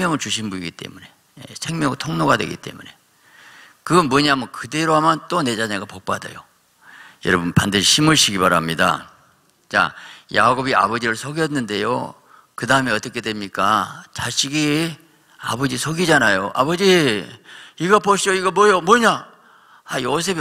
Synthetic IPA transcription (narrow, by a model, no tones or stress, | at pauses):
mjʌŋɯɭt͡ɕuɕ̬ʰinbuiɡit͈e̞̰mune̞ | jḛsʰe̞ŋmjʌŋɯɭtʰoŋnoɡadweɡḭt͈e̞̰mune̞̰ | kɯʌmwʌɲamʌkɯde̞ɾoɦamjʌnt͈one̞d͡ʑaɲaɡapok̚p͈a̰dʌ̰jo̰ | jʌɾʌbunpandɯɕʰiɕʰimuɭɕʰiɡibaɾamɲida̰ | t͡ɕa̰jaɡobiʔa̰bʌd͡ʑiɾɯɭsʰoɡjʌnːɯnde̞̰jo̰ | kɯdaɯme̞ʌt͈ʌkʰe̞dwe̞mɲik͈at͡ɕaɕʰiɡi | a̰bʌd͡ʑisʰoɡid͡ʑanajoʔa̰bʌd͡ʑi | iɡʌpoɕʰoiɡʌmwʌjomwʌɲa | ajos̬ʰe̞b